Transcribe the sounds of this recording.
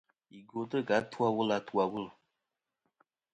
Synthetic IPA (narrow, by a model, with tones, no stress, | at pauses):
i˨ɡo˨tə˦ɡa˨˦ta˦wʊ˦la˨tu˦a˨wʊ˦l